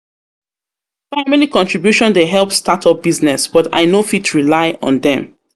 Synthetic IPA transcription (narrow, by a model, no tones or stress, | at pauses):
faɪmilikɔ̃ntɹibjuʃɔ̃ndeɦɛlˠpstatʰɔp̚b̥iznɛsb̥ɔta̰ɪnofitɹilaɪɔ̰̃nðɛ̃m